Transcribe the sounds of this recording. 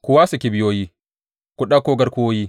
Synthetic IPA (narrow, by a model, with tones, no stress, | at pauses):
kʊ˨wa˦su˨kʲi˨bɪ˦joː˦ji˦ | kʷu˨ɗa˦koː˦ɡɐ˦ɾku˦woː˦ji˦